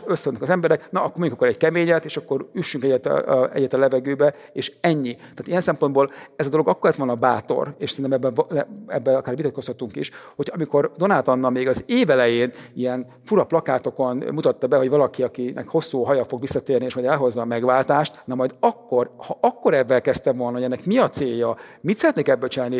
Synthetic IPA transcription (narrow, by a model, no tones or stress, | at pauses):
øsonːkɒzɛmbɛɾɛknɒʔːkːormoɲɟukɑkːoɾɛɟkɛmeːɲɛt̪eːʃɒkːo̞ɾyʃːyŋkɛɟːɛt̪ɛ̰ɟːɛt̪ɒlɛvɛɡøːbɛ | eːʃɛɲːit̪aːt̪ijɛnsɛmpo̞nd̪boːlɛzɒd̪olo̞ɡɒkːolɛt̪ʋonɒbaːt̪o̞̰reːʃsɛɾinɛmɛbːɛɛɛbːɛlɒkaːɾrvit̪ɒt̪ko̞shɒt̪uŋkḭʃhocʰɒmiko̞rd̪o̞naːt̪ɒnːɒlmeːɡɒzeːvɛlɛjeːnijɛn | fuɾɒplɒkaːt̪o̞ko̞nmut̪ɒt̪ːɒbɛɦo̞ɟʋɒlɒkiɒkinʔɛ̰kho̞sːuːɦɒjɒfo̞ɡʋisːɒt̪eːrnieːʃmɒjd̪ɛlɦo̞zːɒːmɛɡvaːlt̪aːʃt̪nɒmɒjd̪ɒkːo̞rhɒʔɒkːo̞ɾɛvːɛlkɛst̪ɛmvo̞lnɒɦoɛnːɛkmiɒt̪seːjːɒ | mit̪sɛɾɛt̪neːkɛbːøt͡ʃinaːlni